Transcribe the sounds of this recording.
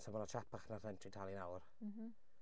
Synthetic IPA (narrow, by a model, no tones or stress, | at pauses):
sʰamɔnat͡ʃʰapʰaχnarɛntʰritʰalˠinawr